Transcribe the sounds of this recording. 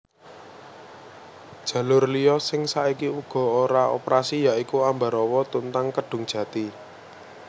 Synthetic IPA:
d̥ʒ̥ä̤lʊrlijɔsɪŋsaikiuɡ̥ɔ̤oɾao̰pɾasijaʔikuamba̤ɾɔwɔt̪unt̪aŋkəɖ̥ʊ̤ŋd̥ʒ̥ä̤t̪i

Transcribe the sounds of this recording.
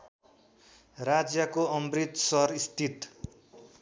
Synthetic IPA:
rad͡zjʌkoʌmbrit̪sʌɾist̪it̪

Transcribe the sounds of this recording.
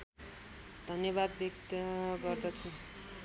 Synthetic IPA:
d̪ʱʌnjʌβad̪̚bekt̪ɡʌrd̪ʌt͡sʰu

